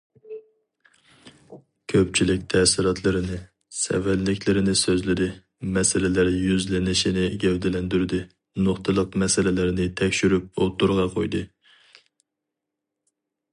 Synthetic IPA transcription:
kʲʰøp̚t͡ʃʰilɪkʲt̪ʰɛsɪɾɑt̪ʰlˠɨɾɨnɨ | sɛ̰wælːɪkʲlɪɾɪnɪsøzlɪɾɪ | mɛsɪlɪlæɾjyzlɪnɪʃinɪɡʲɛwd̪ɪlɛnd̪yɾd̪ɪ | noχt̪ʰɨlˠəqmɛsɪlɪlɪɾnɪt̪ʰɛkʲʃyɾyp̚o̰t̪ːuɾʁɑqʰojd̪ɨ

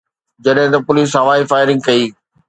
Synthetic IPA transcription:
d͡ʑɐɗɦɪ̃t̪ɐpʊliːs̬ɦɐʋaːifaːɪɾɪ̃ŋɡ̚kɐiː

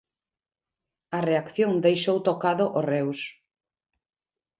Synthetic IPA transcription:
ɐreakθjoŋd̪ejʃowt̪okaðoʔorɛws

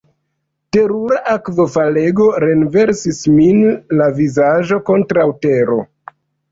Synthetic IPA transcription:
te̞ɾuɾaʔakvofale̞ɡo̞ɾe̞nve̞ɾsisminlavizaʒo̞ko̞ntɾawte̞ɾo̞̰

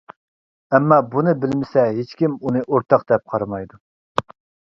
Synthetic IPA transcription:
ɛmːɑbunɨbɪlmɪsɛɦet͡ʃkʲimunɨʔoɾt̪ʰɑq̚d̪ɛp̚qʰɑɾɑmɑjd̪u

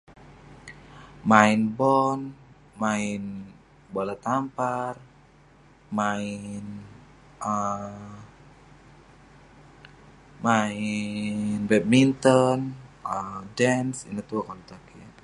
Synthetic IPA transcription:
mainbɔn | main | balat̪ampar | main | ə | mai | nbɛt̪̚mint̪ɔnədɛnsḭnat̪uakalut̪akia

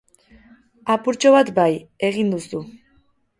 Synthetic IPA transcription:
apuɾt͡ʃoβat̪baje̞ɣind̪usu

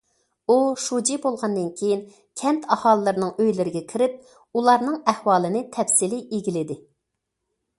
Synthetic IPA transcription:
uʃud͡ʒibolˠʁɑnd̪ɨnkʲʰejin | kʲʰɛnt̪ʰɑhɑːlˠɨlːˠɨɾnɨŋøjlɪɾɪɡʲɛkʲʰiɾɪp̚ | ulˠɑɾnɨŋɛhwɑːlˠɨnɨt̪ʰɛfsɪlɪʔeɡʲilɪd̪ɪ

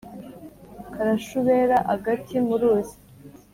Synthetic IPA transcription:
kaɾaʃuβeɾaʔaɡatʰimuɾuːzi̥

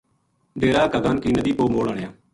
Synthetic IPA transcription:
d̪eːɾaːkəɡaːnkiːnəd̪iːpoːmoːɽəɳejaː

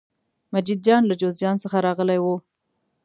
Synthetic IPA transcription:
mad͡ʒid̪̚d͡ʒɑnlad͡ʒozd͡ʒɑnsəxaɾɑɣəlajwo

